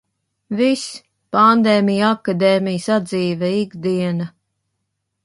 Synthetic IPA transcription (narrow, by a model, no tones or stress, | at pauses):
vis | pand̪ɛːmʲijakad̪ɛːmijsad̪ziːvɛiɡd̪iɛna